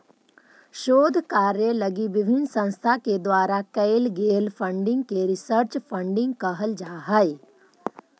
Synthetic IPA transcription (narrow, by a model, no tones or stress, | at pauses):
ʃoːd̪ʱkaːɾjələɡiʋɪbʱɪnsə̃ñst̪ʰaked̪waːɾakəɪlɡeːlpʰə̃ɳɖɪ̃ŋɡ̚keɾɪsəɾt͡ʃpʰə̃ɳɖɪ̃ŋɡkəɦəld͡ʒaːɦəj